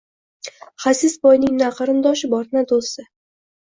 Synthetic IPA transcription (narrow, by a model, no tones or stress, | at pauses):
χasɪsbɒjnɪŋnaqʰɨɾɨnd̪ɒʃɪbɒɾnad̪osɪ